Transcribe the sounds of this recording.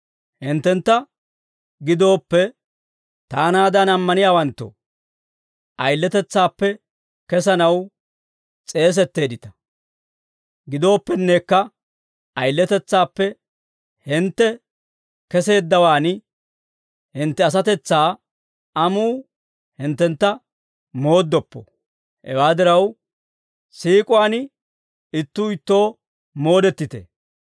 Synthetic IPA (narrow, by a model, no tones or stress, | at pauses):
hɪnt̪ːɛnt̪ːɐ | ɡɪd̪o̞ːpːɛ | t̪aːnaːd̪ɐnɐmːɐnɪjaːwɐnt̪ːɔ̰ | ʔɐjlːɛt̪ɛt͡sːaːpːɛ | kɛsɐnɐw | t͡sʼe̞ːs̬ɛt̪ːe̞ːd̪ɪt̪ɐ̥ | ɡɪd̪o̞ːpːɛnːeːkːɐ | ɐjlːɛt̪ɛt͡sːaːpːɛ | hɪnt̪ːɛ | kɛse̞ːd̪ːɐwaːn | hɪnt̪ːɛɐs̬ɐt̪ɛt͡sːaː | ɐmuː | hɪnt̪ːɛnt̪ːɐ | mo̞ːd̪ːɔpːɔ̰ | hɛ̰waːd̪ɪɾɐw | siːkʼʊwaːn | ɪt̪ːuːɪt̪ːo̞ː | mo̞ːd̪ɛt̪ːɪt̪ḛː